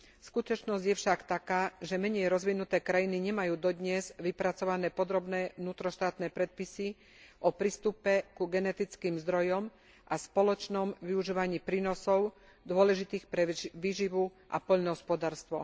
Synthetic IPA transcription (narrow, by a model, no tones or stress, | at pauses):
skut̪ɔt͡ʃnɔzɟjɛfʃakt̪akaːʒɛmɛɲɛjɾɔzʋinut̪ɛːkɾajiniɲɛmajuːd̪ɔd̪ɲɛzʋipɾat͡sɔʋanɛːpɔd̪ɾɔbnɛːnuːt̪ɾɔʃt̪aːt̪nɛːpɾɛt̪̚pisi | ʔɔpɾist̪upɛkuɡɛnɛt̪it͡skiːmzd̪ɾɔjɔm | ʔaspɔlɔt͡ʃnɔmʋiuʒiːʋaɲiːpɾiːnɔsɔʊ | d̪ʊɔlɛʒit̪iːxpɾɛʋiːʒiʋu | ʔa̰pɔʎnɔɦɔspɔd̪aːɾst̪ʋɔ̰